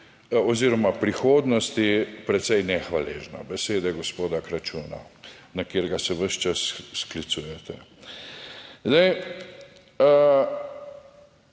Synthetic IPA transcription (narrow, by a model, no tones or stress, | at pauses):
ɔziːɾɔmapɾixoːd̪nɔst̪ipɾɛt̪sɛjnɛxʋalḛːʒna̰bɛseːd̪ɛɡɔspoːd̪akɾat͡ʃuːna̰nakeːɾɡasɛʋəʃt͡ʃassklit̪suːjɛt̪ɛ | zd̪aj